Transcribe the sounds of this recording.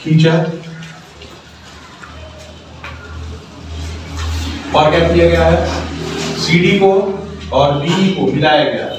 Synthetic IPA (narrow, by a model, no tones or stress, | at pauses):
kit͡ʃa | paːɾkɛːp̚kijaɡɐjaɦɛ | siːɖikoɔːɾbiːikomɪlaːjaɡɐja̰ːɦɛ